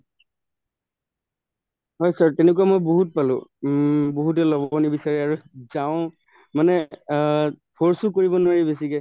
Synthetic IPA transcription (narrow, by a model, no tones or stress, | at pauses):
ɦɔjsaɹtɛnek̬uamojboɦut̚palʊ̰̃ | boɦut̬ɛlɔbɔnibisaɹɛaɹuzaʊ̃ | manɛ | pʰɔɹsʊkoɹibɔnʊwaɹibesikɛ